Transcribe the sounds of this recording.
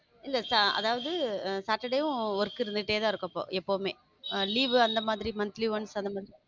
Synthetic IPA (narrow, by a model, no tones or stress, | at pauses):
ɪndɐsaɐ̰ðaːʋɐðɯsaːʈːɐɽɐjʊ̃ɔɾɯkːɪɾɯnd̪ɯʈːeːt̪ãːɪɾɯkːɐpːo̰ːʔɛpːoːmeː | liːʋɯɐnd̪ɐmaːðɪɾimɐnt̪liːʋɐɳsɐnd̪ɐmaːðɪɾi